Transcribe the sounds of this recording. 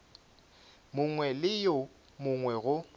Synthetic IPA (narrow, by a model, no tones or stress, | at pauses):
mʊŋwɛlɪjo | mʊŋwɛɣʊ